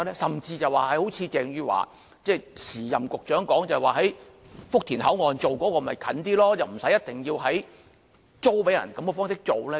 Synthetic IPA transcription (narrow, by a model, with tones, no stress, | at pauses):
lɛː˥sɐ˨mt͡siː˧t͡sɐ˨waː˨˧hɐ˨˧jho˨˥wt͡sʰiː˨˧t͡sɛː˨ŋjyː˧wa̰ː˨˩ | t͡sɛː˥˧t͡sʰiː˨˩jɐ˨mkʊ˨k̚t͡ʃœː˨˥ŋkɔː˨˥ŋt͡sɐ˨˩waː˨ɦɐ˨˥j | fʊ˥k̚t̪ʰiː˨˩nhɐ˨˥wŋɔː˨nt͡so˨wkɔː˨˥kɔː˧˨mɐ˨jkʰɐ̰˨˥nt̪iː˥lɔː˥t͡sɐ˨˩wm̩˨˩sɐ˨˥jɐ˥t̚t̪ɪ˨ŋjiː˧wɦɐ˨˥j | t͡so˥wpe˨˥jɐ̰˨˩nkɐ˨˥mkɔ˧fɔː˥ŋsɪ˥k̚t͡so˨wlɛː˥